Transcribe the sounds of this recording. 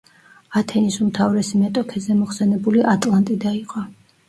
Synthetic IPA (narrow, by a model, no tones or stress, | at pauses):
at̪ʰɛnisumt̪ʰavɾɛsimɛt̪ʼɔkʰɛzɛmɔχsɛnɛbuliʔat̪ʼlˠant̪ʼid̪aiqʼɔ